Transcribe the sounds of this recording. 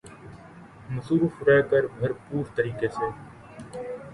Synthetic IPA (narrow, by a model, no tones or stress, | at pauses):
mɐsuːɾufɾɛːkəɾbʱɐɾpuːɾt̪əɾiːkeseː